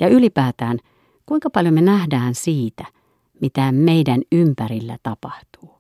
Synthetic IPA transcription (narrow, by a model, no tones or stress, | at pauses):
jɑylipæːt̪æːn | kuiŋkɑpɑljomenæhdæːnsiːt̪æ | mit̪æmeidænympærilːæ̰t̪ɑpɑht̪u̥ː